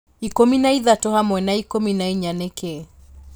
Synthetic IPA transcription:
ikominaiðatɔhamwɛnaikominaiɲanɛkɛ

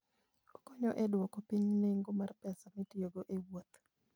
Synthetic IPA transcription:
okɔɲɔʔɛdwɔkɔpiɲneŋɡomarpɛsamitjoɡoʔewot̪

